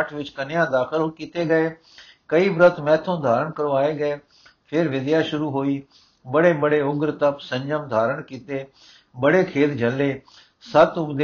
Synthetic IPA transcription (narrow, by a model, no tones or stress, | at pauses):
ʈʰʋɪt͡ʃkɐnɪjãːd̪aːxɪlkit̪eɡɐeː | kɐibɾət̪ʰmɛːt̪ʰõd̪ʱaːɾəɽ̃kɐɾoaːeɡɐeː | pʰɪɾʋɪd̪jaʃʊɾuɦoːiː | bɐɽebəɽeʊɡɾt̪əpsɐ̃ɲd͡ʒəmd̪ʱaːɾəɽ̃kiːt̪eː | bɐɽekʰeːt̪d͡ʒʱɐlːeː | sɐt̪ʊbd̪e